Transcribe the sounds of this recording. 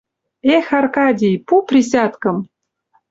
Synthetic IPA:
exɑrkɑd̪ʲijpuprʲisʲɑt̪kɤ̆m

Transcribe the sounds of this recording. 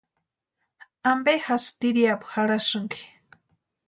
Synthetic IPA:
ambexast̪iɾjapxaɾaʃʊŋki̥

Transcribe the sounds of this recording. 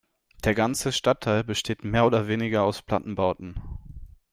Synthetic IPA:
d̥eːɐɡant͡səʃtatʰaɪlbəʃtʰeːtmeːɐoːdɐveːnɪɡɐaʊspl̥a̰tn̩baʊtn̩

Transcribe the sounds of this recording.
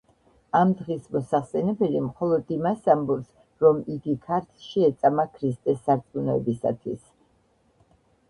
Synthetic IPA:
amd̪ʁismɔsaχsɛnɛbɛlimχɔlˠɔd̪imasambuɾs | ɾɔmiɡikʰaɾt̪ʰʃiɛt̪sʼamakʰɾist̪ʼɛsːaɾt̪sʼunɔɛbisa̰t̪ʰwḭs

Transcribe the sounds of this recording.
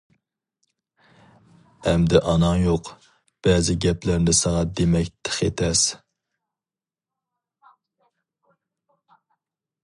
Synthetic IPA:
ɛmd̪ɪʔɑnɑŋjoq | b̥ɛzɪɡʲɛplæɾnɪsɑʁɑd̪emɛkʲt̪ʰɪ̥χet̪ʰɛs

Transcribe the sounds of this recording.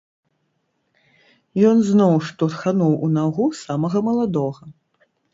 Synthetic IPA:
jɔnznɔwʂt̪ɔrxanuwʔunaɣusamɐɣɐmɐlˠad̪ɔɣɐ

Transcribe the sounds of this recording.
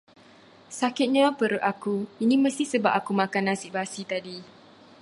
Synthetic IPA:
sakɪt̪̚ɲãpəɾʊʔakuinĩməst̪ihsəbap̚akumãkanasiʔbasit̪adi

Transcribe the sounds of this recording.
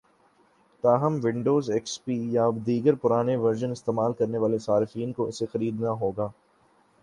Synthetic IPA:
t̪aːɦɐmʋɪ̃ɳɖoːzekspiːjad̪iːɡəɾpʊɾaːneʋɐɾʒənɪst̪eːmaːlkɐɾneʋaːlesaːɾɪfiːnkoɪsexɐɾiːd̪naɦoːɡaː

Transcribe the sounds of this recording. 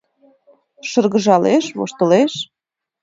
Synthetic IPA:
ʃə̆rɣəʒɑleʃβo̰ʃt̪ə̆leʃ

